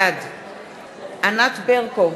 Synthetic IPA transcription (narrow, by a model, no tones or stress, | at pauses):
ad | anat̪beʁko